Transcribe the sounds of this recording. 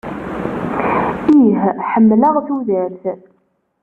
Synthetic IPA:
iɦħəmːləʁθuðəɾθ

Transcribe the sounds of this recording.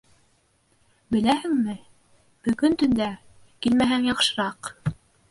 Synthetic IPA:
bɘ̆læhɘŋmɘ | b̥ɵ̆ɣɵnt̪ɵ̆nd̪æ | kilmæɦæŋjɑqʃɤ̆ɾɑq

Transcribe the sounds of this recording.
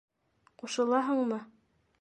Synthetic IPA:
quʃɤ̆lˠɑɦɤɴmɤ

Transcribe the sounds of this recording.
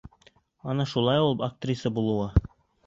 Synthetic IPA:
ɒnɑʃulˠɑjulˠɤpɐk̚t̪rʲisəbulˠŭwɑ

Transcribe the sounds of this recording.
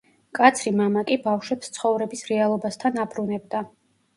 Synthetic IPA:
kʼat̪sʰɾimamakʼibafʃwɛpst̪sʰχɔvɾɛbisɾɛalˠɔbast̪ʰanabɾunɛb̚d̪a

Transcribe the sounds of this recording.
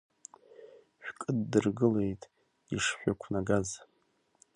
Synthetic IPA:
ʃᶣkʼɨdːɨrɡɨle̞jtʼ | iʂħʷᶣakʷʰnaɡaz

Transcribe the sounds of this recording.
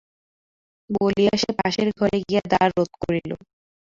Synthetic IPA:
boliaʃepaʃeɾɡʱɔɾeɡijed̪aɾːot̪̚koɾilo̰

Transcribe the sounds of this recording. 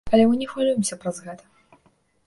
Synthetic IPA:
alʲɛmɨnʲɛxvalʲujɪmsʲɐpɾɐzɣɛt̪ɐ̥

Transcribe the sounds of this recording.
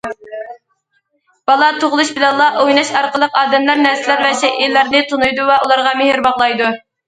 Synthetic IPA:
b̥ɑlˠɑt̪ʰoʁlˠuʃbɪlɛnlˠɑʔojnɑʃɑɾqəlˠəqɑːd̪ɛmlæɾnæɾsɪlæɾvɛʃɛʔilːæɾnɪt̪ʰunujd̪uvɛʔulˠɑɾʁɑmɪhɪɾbɑʁlˠɑjd̪u

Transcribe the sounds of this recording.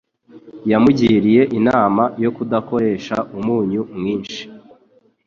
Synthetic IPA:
jamuɟiɾije̞ʔinaːmajo̞kudako̞ɾe̞ːʃa̰ʔumuːɲumŋiːnʃi̥

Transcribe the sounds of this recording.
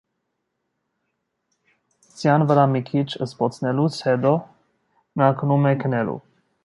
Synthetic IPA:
sjanvəɾamikʰit͡ʃəspɔt̪t͡snɛlusɛd̪ɔ | naknumɛknɛlṵ

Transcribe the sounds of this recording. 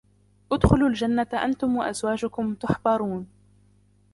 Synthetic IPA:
ʔʊd̪xʊlʊld͡ʒanːat̪ʔa̰nt̪ʊmwaʔa̰zwaːd͡ʒʊkʊmt̪ʊħbɑɾˤuːn

